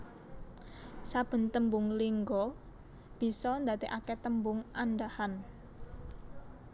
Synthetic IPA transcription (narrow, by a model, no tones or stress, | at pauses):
sab̥ə̤nt̪əmbʊŋliŋɡɔ | b̥i̤sɔnd̪at̪eʔakɛt̪əmbʊŋanɖahan